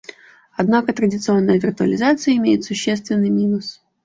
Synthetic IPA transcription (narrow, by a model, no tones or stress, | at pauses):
ɐd̪nakət̪ɾədʲɪt̪sɨo̞nːəjəvʲɪrt̪ʊə̰lʲɪzat̪sɨjəɪmʲejɪt̪sʊɕːest̪vʲɪnːɨjmʲinʊs